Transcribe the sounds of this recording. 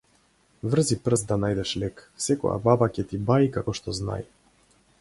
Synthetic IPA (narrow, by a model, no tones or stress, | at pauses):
vr̩zipr̩sd̪anajd̪ɛʃlɛksɛkɔ̰ja̰babacʲɛt̪ibaikakɔʃt̪ɔzna̰j